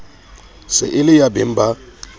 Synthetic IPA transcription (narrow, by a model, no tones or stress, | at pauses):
sɪ̰ʔɪlɪjabɪm̩ba